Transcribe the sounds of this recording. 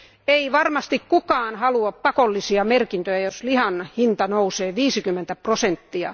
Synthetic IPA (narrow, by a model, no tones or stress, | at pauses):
eiʋɑrmɑst̪ikkukɑːnhɑluɑppɑkolːisiɑmerkint̪øjæjoslihɑnhint̪ɑnouseːʋiːsikymːent̪æprosent̪ːiɑ̰